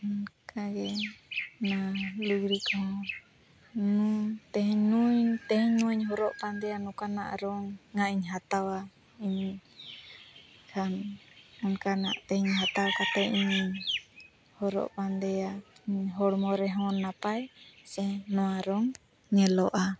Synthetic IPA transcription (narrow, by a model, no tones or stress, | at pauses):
ɔnkʰaɡɛ | naluɡɾikɔɦɔ̃ | nut̪ɛɦɛɲnujt̪ɛɦɛɲnuɲɦɔɾɔʔpand̪ɛjanɔkana̰ʔɾɔŋːaʔiɲɦat̪awa | iɲ | kʰanɔnkana̰ʔt̪ɛhɛɲɦat̪awkat̪ɛʔiɲ | hɔɾɔ̰ʔpand̪ɛjaiɲɦɔɽmɔɾɛɦɔ̃nːapajsɛnɔwaɾɔŋ | ɲɛlɔʔa